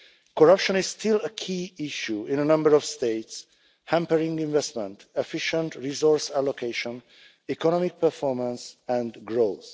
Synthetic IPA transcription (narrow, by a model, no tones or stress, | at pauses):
kɔɹʌpʃɔ̃niz̥stɪləkʰiːiʃjuĩnənʌ̃mbəɹɔv̥st̪eɪts | hæ̃mpəɹĩŋɡĩnvɛstmɛ̃nt̪ɛfiʃə̃ntɹizɔɹsælokʰeʃɔ̃n | ikɔnɔmik̚pəɹfɔɹmə̃nsɛ̃nd̪ɡɹoθ